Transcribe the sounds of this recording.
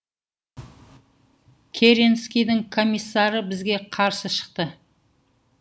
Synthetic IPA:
kʲʰeɾenskʲijd̪ɪŋkʰo̞mijsːɑɾəbɪzɡʲe̞qʰɑɾsəʃə̥q̚t̪ə

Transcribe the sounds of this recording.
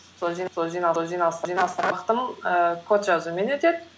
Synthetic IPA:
solˠʒijnsolˠʒijnɑʒijnɑsʒijnɑsɑqt̪əməkʰot̪ʒɑzume̞net̪ed̪ɪ

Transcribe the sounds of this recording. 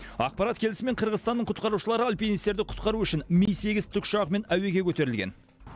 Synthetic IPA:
ɑ̰q̚pɑɾɑt̪kʲʰe̞lɪsɪme̞ɴqʰəɾʁəzst̪ɑnːəɴqʰʊt̪̚qɑɾuʃəlˠɑɾəɑlˠpʰʲenist̪e̞ɾd̪ɪqʰʊ̥t̪qɑɾuʏʃɪnmejse̞ɡʲɪzt̪ʰʊkʃɑʁme̞næwe̞ɡʲe̞kʲʰɵt̪e̞ɾɪlɡʲe̞̰n

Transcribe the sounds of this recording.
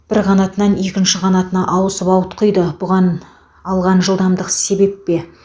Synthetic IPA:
b̥ɪɾqɑnɑt̪ənɑne̞kʲɪnʃɪqɑnɑt̪ənɑʔɑwəsəpɑwət̪qʰəjd̪əbʊʁɑn | ɑlˠʁɑnʒəlˠd̪ɑmd̪əqse̞be̞pːe̞

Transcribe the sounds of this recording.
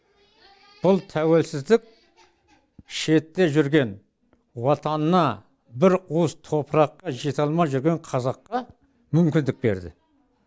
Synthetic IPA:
b̥ʊlˠt̪ʰæwe̞lsɪzd̪ɪk̚ʲ | ʃe̞t̪ːe̞ʒʏɾɡʲe̞n | wɑt̪ɑnənɑ | bɪɾuzt̪ʰo̞pəɾɑqːɑʒe̞t̪ɑlˠmɑʒʏɾɡʲe̞ɴqʰɑzɑqːɑ | mʏmkʲɪnd̪ɪk̚be̞̰ɾd̪ɪ̰

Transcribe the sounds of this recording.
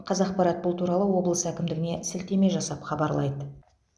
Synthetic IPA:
qʰɑzɑqpɑɾɑt̪̚bʊlˠt̪ʰuɾɑlˠəwo̞blˠəsəækʲɪmd̪ɪɡɪne̞sɪlt̪e̞me̞ʒɑsɑpχɑbɑɾlˠɑ̰jd̪ə

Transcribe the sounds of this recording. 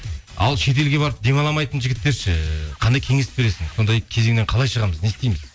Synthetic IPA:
ɑ̰lˠʃe̞t̪̬e̞lɡʲe̞bɑɾəp̚d̪e̞mɑlˠɑmɑjt̪ənʒɪɡʲɪt̪ːe̞ɾʃɪqʰɑnd̪ɑjkʲʰe̞ŋesɪp̚be̞ɾe̞sɪŋso̞nd̪ɑjkʲʰeze̞ŋne̞ɴqʰɑlˠɑjʃəʁɑməzne̞st̪ejmɪz

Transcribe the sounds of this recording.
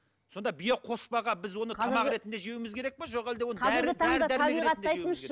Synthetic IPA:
so̞nd̪ɑbijeqʰo̞spɑʁɑbɪzwo̞nəɑmɑqɾe̞t̪nd̪e̞ʒiewmɪzkʰʲe̞ɾe̞k̚peʒoqæld̪ewonʰɑzæɪɾɡʲɪt̪ʰɑæɾd̪d̪æɾʰɑbeiiɾeʁɑt̪nd̪eɑjeəne

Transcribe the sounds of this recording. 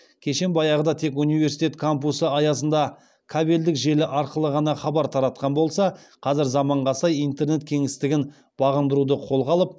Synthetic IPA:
kʲʰe̞ʃe̞nbɑjɑʁəd̪ɑt̪ʰe̞kunijve̞ɾsi̥t̪et̪kʰompusəɑjɑsənd̪ɑ | kʰabe̞ld̪ɪkʒe̞lɪʔɑɾqəlˠəʁɑnɑχɑbɑɾt̪ʰɑɾɑt̪̚qɑnbo̞lˠsɑ | qʰɑzɪɾzɑmɑɴʁɑsɑjijnt̪e̞ɾne̞t̪̚kʲʰe̞ŋɪst̪ɪɡʲɪn | b̥ɑʁənd̪əɾud̪əqʰo̞lˠʁɑlˠəp̚

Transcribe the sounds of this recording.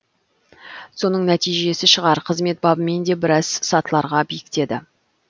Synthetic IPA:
so̞nəɴnæt̪ijʒe̞sɪʃəʁɑɾqʰəzme̞t̪̚bɑbəme̞nd̪e̞bɪɾɑz̥sɑt̪əlˠɑɾʁɑbijkʲɪ̥t̪e̞d̪ɪ

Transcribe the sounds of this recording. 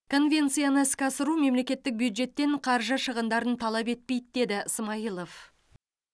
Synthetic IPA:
kʰo̞nvʲe̞nt̪sɨjanəɪskʲɑsəɾume̞mle̞kʲe̞t̪ːɪk̚bjud̪ʒe̞t̪ːe̞ɴqʰɑɾʒəʃəʁənd̪ɑɾənt̪ʰɑlˠɑpe̞t̪̚pe̞jt̪d̪e̞d̪ɪəsmɑjəlˠof

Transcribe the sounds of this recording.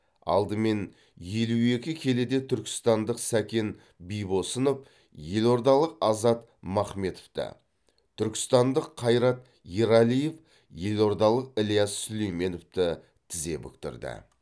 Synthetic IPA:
ɑ̰lˠd̪əme̞n | je̞lue̞kʲɪkʲʰe̞led̪e̞t̪ʰʏɾkʲɪ̥st̪ɑnd̪əqsækʲe̞n | bijbo̞sənəp | je̞lo̞ɾd̪ɑlˠəqɑzɑt̪ | mɑχme̞t̪oft̪ə̰ | t̪ʰʏɾkʲɪ̥st̪ɑnd̪əqʰːɑjɾɑt̪ | iɾɑlije̞f | je̞lo̞ɾd̪ɑlˠəqɪlijɑsːʏlejme̞noft̪ɪ | t̪ʰɪze̞̰bʏ̰k̚t̪ɪ̰ɾd̪ɪ̰

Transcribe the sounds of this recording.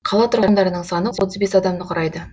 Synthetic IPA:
qʰɑlˠɑt̪ʰʊɾʁmd̪ɑɾənəɴsɑnəwot̪əzbe̞sɑd̪ɑmd̪əqʰʊɾɑjd̪ə

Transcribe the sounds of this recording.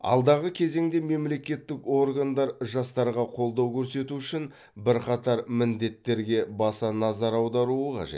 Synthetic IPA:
ɑ̰lˠd̪ɑʁəkʲʰe̞ze̞ŋd̪e̞me̞mle̞kʲe̞t̪ːɪko̞rɡand̪ɑɾʒɑst̪ɑɾʁɑqʰo̞lˠd̪ɑwkʲʰɵɾse̞t̪uʏʃɪn | bɪɾqʰɑt̪ɑɾmɪnd̪e̞t̪ːe̞ɾɡʲe̞bɑsɑnɑzɑɾɑwd̪ɑɾuəqʰɑ̰ʒḛt̪

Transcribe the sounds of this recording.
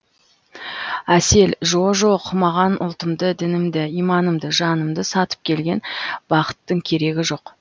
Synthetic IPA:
æse̞lʒo̞ʒo̞qmɑʁɑnʊ̰lˠt̪əmd̪əd̪ɪnɪmd̪ɪijmɑnəmd̪əʒɑnəmd̪əsɑt̪ə̥p̚kʲʰe̞lɡʲe̞nb̥ɑqə̥t̪ːəŋkʲʰe̞ɾe̞ɡʲɪʒo̞q

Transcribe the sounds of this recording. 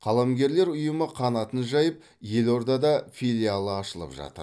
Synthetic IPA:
qʰɑlˠɑmɡʲe̞ɾle̞ɾʊjəməqʰɑnɑt̪ənʒɑjəp̚ | je̞lo̞ɾd̪ɑd̪ɑfʲilʲialˠəɑʃəlˠə̰pʒɑ̰t̪ə̰ɾ

